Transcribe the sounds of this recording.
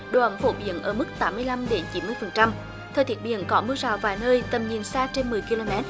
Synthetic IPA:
ɗo̰˨˩ʔə˨˦mfo̰˧˦ɓḭ˨˧˩ənʔəː˧˩mɨ˦˥k̚t̪aː˨˦mːɨ˧əjla˧mɗe˨˦nt͡ɕi˨˦nmɨ˧əjfə˨˩nt͡ɕa˧m | t̪ʰɛː˧˩t̪ʰi˨˦ət̚ɓḭ˧˨ənkɔ˨˦mɨ˧əza̰ː˧˨˩wvaː˨˩jnəː˧jt̪ə˨˩mɲi˨˩ənsaː˧t͡ɕe˧nmɨ˨˩əjki˧lo˧mɛ˦˥t̚

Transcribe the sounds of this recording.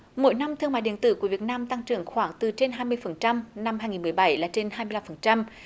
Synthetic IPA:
mo̰˧˥˦jna˧mt̪ʰɨ˧əmaː˧˨jɗḭ˧˨ənt̪ɨ̰˧˨˦ku˧˩əvi˨˩ət̚naː˧mt̪a˧ŋt͡ɕɨ̰˨˧˩əŋxwaː˧˩ŋt̪ɨ˨˩t͡ɕe˧nɦaː˧jmɨ˧əjfə˨˩nt͡ɕa˧mna˧mhaː˧jŋi˨˩nmɨ˨˩əjɓa˧˩jlaː˨˩t͡ɕe˧nɦaː˧jmɨ˧jla˧mfə˨˩nt͡ɕa˧m

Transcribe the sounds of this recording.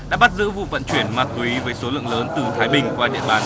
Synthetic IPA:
ɗ̰aː˧˥ɓa˦˥t̚zɨ̰˧˥vṵ˧˨və̰˧˨nt͡ɕwi˧˩ənmaː˨˩t̚kwi˨˦vəː˨˦jso˨˦lɨ̰˧˨əŋləː˨˦nt̪ɨ˨˩t̪ʰaː˨˦jɓï˨˩ŋ̟kwaː˧ɗḭ˧˨əɓaː˨˩n

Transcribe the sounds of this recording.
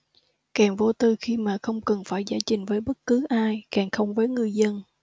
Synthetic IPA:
kɛː˨˩ŋvo˧t̪ɨ˨˩xi˧maː˨˩xə˧wŋ͡mkə˨˩nfaː˧˩jzaː˧˩t͡ɕï˨˩ŋ̟vəː˨˦jɓə˦˥t̚kɨ˨˦ʔaː˧jkɛː˨˩ŋxə˧wŋ͡mvəː˨˦jŋɨ˨˩əjzə˧n

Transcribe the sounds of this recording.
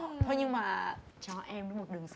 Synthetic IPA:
t̪ʰo˧jɲɨ˧ŋmaː˨˩ | t͡ɕɔ˧ʔɛ˧mɗm˨˩t̚ɗɨ˨˩əŋs

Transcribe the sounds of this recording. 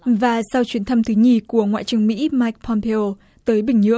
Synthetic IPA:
vaː˨˩sa˧wt͡ɕwi˨˦nt̪ʰa˧mt̪ʰɨ˨˦ɲi˧˩ku˧˩əŋwa̰ː˧˨jt͡ɕɨ˨˩əŋmḭ˧˥maː˧jk̚pʰɔ˧mpʰe˧o˧ | t̪əː˨˦jɓï˨˩ŋ̟ɲɨ̰˧˥ə

